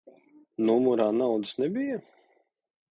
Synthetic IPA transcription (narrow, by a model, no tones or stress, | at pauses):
numuɾaːnawd̪ɨ̥snɛbʲija